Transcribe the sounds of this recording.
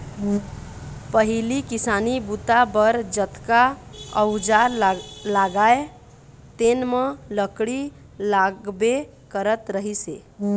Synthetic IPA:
pəɦilikisanibut̪abəɾd͡ʒət̪kaəwd͡ʒalaɡae | t̪enmələkɽi | laɡbe | kəɾət̪ɾəɦise

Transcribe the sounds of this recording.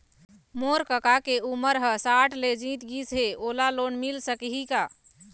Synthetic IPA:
moɾkəkakeuməɾɦəsaʈled͡ʒĩt̪ɡisɦeolalonmilsəkɦika

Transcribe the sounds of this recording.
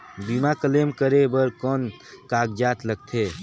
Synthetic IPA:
bimakəleːmkəɾebəɾkɔːn | kaːɡd͡ʒaːt̪ləɡ̚t̪ʰeː

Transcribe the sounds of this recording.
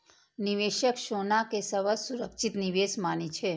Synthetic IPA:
niʋeʃəkʃonakesəʋəsuɾəkʃit̪niʋesmanit͡ʃʰe

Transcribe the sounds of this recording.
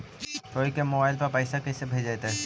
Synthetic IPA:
soːikemobaːɪlpɐɾpɛɪsakɛsebʱed͡ʒat̪aɦɛ

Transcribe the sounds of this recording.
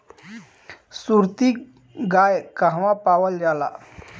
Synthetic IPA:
suɾt̪i | ɡaːjkaɦʋãpaːwəld͡ʒaːla̰

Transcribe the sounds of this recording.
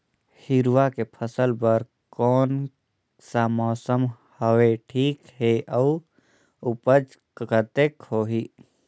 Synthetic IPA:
hiɾwakepʰəsəlbəɾ | kɔːn | samɔːsəmhəweʈʰiːkɦeəu | upəd͡ʒ | kkət̪ekɦoːɦi

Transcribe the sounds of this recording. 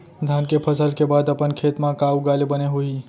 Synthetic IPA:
d̪ʱankepʰəsəlkebaːd̪əpənkʰeːt̪mãkauɡaːlebəneɦui

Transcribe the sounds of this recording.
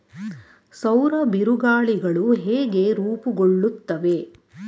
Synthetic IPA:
sɐwɾɐbiɾuɡaːɭiɡɐɭuɦeːɡeɾuːpuɡoɭːut̪ːɐʋe̞

